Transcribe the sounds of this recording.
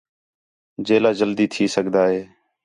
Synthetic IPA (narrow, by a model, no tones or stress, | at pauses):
d͡ʒeːlaːd͡ʒəld̪iːt̪ʰiːsəɡd̪aːɦeː